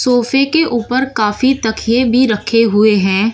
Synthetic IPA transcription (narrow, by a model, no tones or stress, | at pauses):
soːfekeʔuːpəɾkaːfit̪ɐkʰijebʱiɾɐkʰeɦʊeɦɛ̃ː